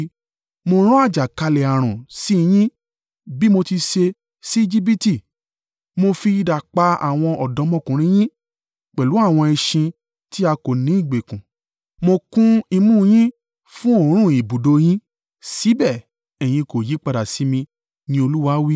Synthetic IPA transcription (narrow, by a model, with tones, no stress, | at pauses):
mo˧ɾ̃ɔ̃˦a˦˨d͡ʒa˨ka˧lɛ˨a˨ɾ̃ɔ̃˨si˦˧j̃ĩ˦ | bi˦mo˧ti˧ʃe˧ | si˦˧d͡ʒi˦bi˦ti˦˨ | mo˧fi˧i˧da˨k͡pa˧a̰˨w̃ɔ̃˧ɔ˨dɔ̃˨˧˦mɔ̃˦˨kũ˨ɾ̃ĩ˧˦j̃ĩ˦ | k͡pɛ˨lu˨˦a˦˨w̃ɔ̃˧ɛ˧ʃĩ˧ | ti˦a˧ko˨nĩ˨˦i˦˨ɡ͡be˨kũ˨ | mo˧kũ˦i˧mũ˦˧j̃ĩ˦ | fũ˦o˦˨˦ɾ̃ũ˦˨i˨bu˨do˨˧j̃ĩ˦ | si˨˦bɛ˦˨ | ɛ˨j̃ĩ˧ko˨ji˨˦k͡pa˧da˨si˨˦mĩ˧ | nĩ˧o˧lu˦wa˧˦wi˦